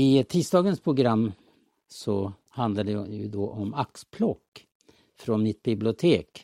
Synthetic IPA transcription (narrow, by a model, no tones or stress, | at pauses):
ɪt̪ʰiːst̪ɑːɡənspʰɾʊɡɾamː | sɔ | hand̪lad̪əjjɵd̪ɔʔɔmakspʰlɔkː | fɾɔnmɪt̪̚bɪblɪʊt̪ʰeːk